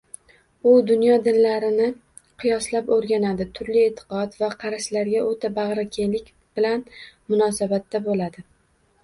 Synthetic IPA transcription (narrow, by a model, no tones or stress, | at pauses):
ʊd̪ʊnjɒd̪ɪnlaɾɪnɪ | qʰɨjɒslapoɾɡʲanad̪ɪt̪ʰʊɾlɪet̪ʰːɪ̥qɒt̪vaqʰɑɾaʃlaɾɡʲaʔot̪ʰabɑʁɾakʲʰelɪkʲ | b̥ɪlanmʊnɒsabat̪ːabolad̪ɪ